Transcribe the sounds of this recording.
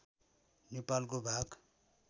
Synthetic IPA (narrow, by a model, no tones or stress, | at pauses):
nepalkobʱaɡ